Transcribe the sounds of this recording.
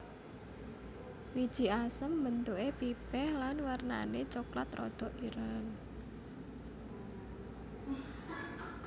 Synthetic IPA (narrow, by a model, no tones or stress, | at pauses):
wid̥ʒ̥i̤asəmbənt̪uʔepipɛhlanwarna̰net͡ʃokla̰t̪rɔ̰d̪̥ɔ̤ʔiɾən